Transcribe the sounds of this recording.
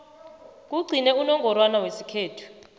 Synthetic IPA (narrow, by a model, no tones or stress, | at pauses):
k̬uɡ͡ǀʱinɛunɔŋɡʱɔɾwanawesikʰeːtʰu̥